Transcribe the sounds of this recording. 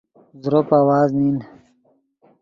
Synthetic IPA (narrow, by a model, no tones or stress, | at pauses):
zɾopaːwaːznin